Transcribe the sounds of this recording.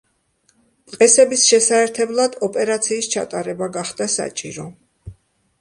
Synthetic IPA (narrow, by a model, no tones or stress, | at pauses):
t̪ʼqʼɛsɛbisʃɛsaɛɾt̪ʰɛblˠad̪ɔpʼɛɾat̪sʰiːst͡ʃʰa̰t̪ʼaɾɛbaɡaχd̪asa̰t͡ʃʼiɾɔ